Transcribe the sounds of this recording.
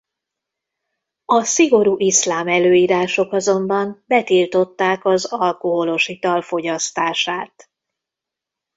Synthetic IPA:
ɒsiɡo̞ɾuːʔislaːmɛløːiːɾaːʃo̞kɒzo̞mbɒmbɛt̪ilt̪o̞t̪ːaːkɒzɒlkoɦo̞lo̞ʃit̪ɒlfo̞ɟɒst̪aːʃaːt̪

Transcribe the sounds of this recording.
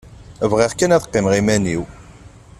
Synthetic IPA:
vʁiʁkːænæðəqːɪmʁimæniw

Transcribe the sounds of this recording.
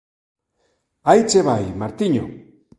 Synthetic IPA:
ajt͡seβajmaɾt̪iɲo̰

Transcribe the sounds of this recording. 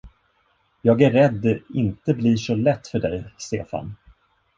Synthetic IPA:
jɑːɡæːɛd̪ːɛɪnt̪əbliʂɔlɛt̪ːfœɖɛjst̪ḛːfa̰n

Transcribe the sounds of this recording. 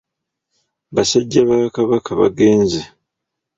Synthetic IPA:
βasaɟːaβakaβakʰaβa̰ɡe̞ːnze

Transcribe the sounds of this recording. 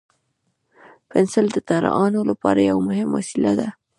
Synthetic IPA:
pɪnsɪld̪ət̪aɾɑnolapɑɾajawamʊhɪmwa̰silad̪a

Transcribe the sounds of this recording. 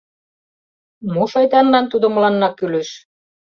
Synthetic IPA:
muʃɑjt̪ɑnlɑnt̪ud̪ŏmɤ̆lɑnːɑkːylĕʃ

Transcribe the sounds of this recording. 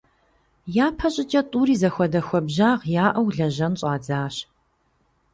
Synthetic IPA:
jaːpʰɐɕʼɪt͡ʃʼɐtʼuːɾiːzɐxʷɔdɐxʷɔbʑaːʁjaːʔɐwɮɐʒɐnɕʼaːd͡zaːɕ

